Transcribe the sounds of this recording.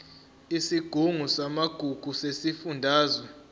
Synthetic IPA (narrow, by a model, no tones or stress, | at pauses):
isiɡ̥ʱuŋusamaɡ̥ʱuɡ̥ʱusesifundʱaːzwɛ